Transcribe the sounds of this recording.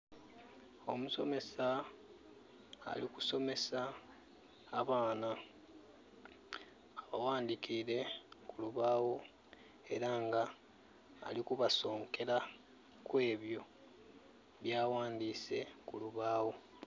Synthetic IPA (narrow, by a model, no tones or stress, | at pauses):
o̞muso̞me̞sa | liku̥so̞me̞saː | βaːna | aβawaːnd̪ikʰiɾe̞kuluβaːwo | e̞ɾaŋɡa̰ː | likuβaso̞ːŋke̞ɾa | kwe̞ːβjo̞ | βjaːwaːnd̪iːse̞kuluβaːwo̞